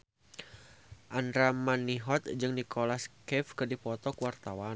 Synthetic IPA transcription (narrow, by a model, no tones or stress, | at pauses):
ʔandɾamaniɦɔt̪̚d͡ʒɨŋnikʰolaskɛfkɨdipɔt̪ɔkwart̪awan